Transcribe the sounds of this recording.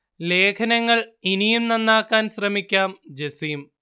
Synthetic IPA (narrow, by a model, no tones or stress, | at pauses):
le̞ːkʰɐnɐŋːɐɭinijumnɐnːaːkːaːnɕrɐmikʲːaːmd͡ʑesijum